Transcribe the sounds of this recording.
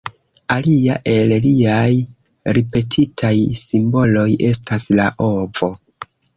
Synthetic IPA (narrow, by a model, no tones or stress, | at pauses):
aliaʔe̞lliaj | ɾipe̞tʰitʰajsimbo̞lo̞jʔe̞staslaʔo̞vo̞